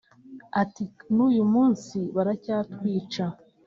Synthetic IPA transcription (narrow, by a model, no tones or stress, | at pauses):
atinuːjumuːnsiβaɾacaːtwiːt͡ʃa